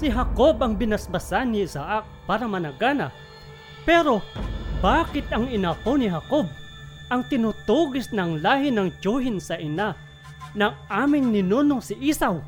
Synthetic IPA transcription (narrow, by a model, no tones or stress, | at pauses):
sɪɦɐkobɐŋbɪnɐsbɐsanːɪɪsaʔak̚paːɾɐmɐnɐɡaːnɐ | pɛːɾo̞baːkɪt̪ɐŋɪnakonɪɦakob̚ | ʔɐŋt̪ɪnʊt̪uɡɪsnɐŋlaːhɪnɐŋt͡ʃohɪnsɐʔɪna | nɐŋʔaːmɪŋnɪnonoŋsɪʔisaw